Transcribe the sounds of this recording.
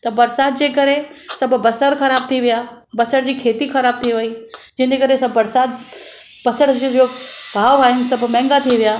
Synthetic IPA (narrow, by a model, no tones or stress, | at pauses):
t̪ɐbɐɾsaːd̪̚d͡ʑeːkɐɾẽsɐbʱbɐsəɾxɐɾaːb̚t̪ʰiʋija | bɐsəɽd͡ʑiːkʰeːt̪ixɐɾaːb̚t̪ʰiʋɐiːd͡ʑɪnd͡ʑekɐɾesɐbːɐɾsaːd̪̚ | bɐsəɽd͡ʑd͡ʑobʱaːʋaːɦɪnɪsɐbʱmɛ̃ːŋɡat̪ʰiʋijaː